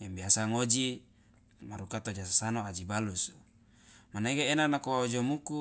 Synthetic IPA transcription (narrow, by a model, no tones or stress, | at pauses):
jambiasaŋod͡ʒi | maɾukat̪od͡ʒasasanoad͡ʒibalus | manekeenanakowaod͡ʒomuku